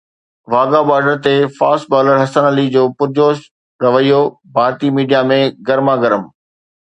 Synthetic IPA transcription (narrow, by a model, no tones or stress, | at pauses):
ʋaːɡabaːɾɖəɾt̪efaːsʈ̚baːləɾɦɐsənəlid͡ʑoːpʊɾd͡ʑoːʃ | ɾɐʋəijo | bʱaːɾt̪imiːɖijamẽɡɐɾmaɡɐɾəm